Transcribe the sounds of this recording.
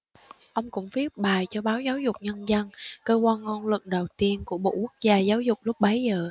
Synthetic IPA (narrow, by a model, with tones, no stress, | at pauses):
ʔə˧wŋ͡mkʊ̰˧˥ŋ͡mfi˦˥əp̚ɓaː˨˩jt͡ɕɔ˧ɓaː˨˦wzaː˨˦wzʊ˨˩k͡p̚ɲə˧nzə˧nkəː˧kwaː˧nŋɔ˧nlɨ̰˨˩ŋ̚ɗə˨˩wt̪i˧ənku˧˩əɓo̰˧˨ku˦˥ək̚zaː˧zaː˨˦wzʊ˨˩k͡p̚lʊ˦˥k͡p̚ɓə˨˦jzəː˨˩